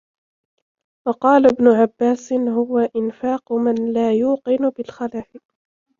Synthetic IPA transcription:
wɑqɑːlabnʊʕabːaːsɪɦʊwaʔɪnfaːqʊmanlaːjuːqɪnʊbɪlxalaːʔɪq

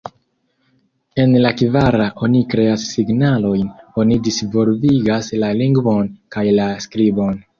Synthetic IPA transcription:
e̞nlakivaɾaʔo̞nikɾe̞asːiɡnalo̞jno̞nidisvo̞lviɡaslaliŋɡvo̞nkajlaskɾibo̞n

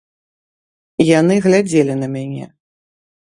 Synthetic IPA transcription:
janɨɣlʲad͡zʲelʲinɐmʲanʲɛ̰

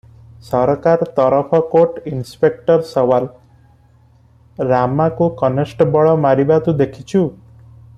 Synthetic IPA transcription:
sɔɾkaɾt̪ɔɾɔpʰɔkoʈinspek̚ʈɔɾsɔwal | ɾamakukɔnesʈɔbɔɭɔmaɾibat̪ud̪ekʰit͡ʃʰu

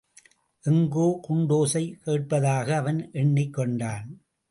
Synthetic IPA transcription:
ʔɛŋɡoːkʊɳɖoːsɐɪkeːʈ̚pɐðaːɣɐːʋɐnʔɛɳːɪkːɔɳɖaːn

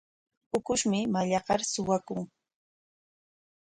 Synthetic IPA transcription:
ʊkʊʃmɪmaʎɑɢɑɾsʊwakʊŋ

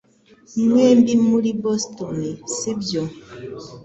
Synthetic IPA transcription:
ŋwembimulibɔstɔnesebjɔ

